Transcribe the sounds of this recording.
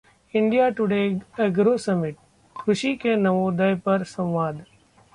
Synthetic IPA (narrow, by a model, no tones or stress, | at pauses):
ɪ̃ɳɖijaʈʊɽeɐɡɾosɐmɪʈ̚ | kʰɾʊʃikenɐʋõd̪ɐjpɐɾsɐ̃wʋaːd̪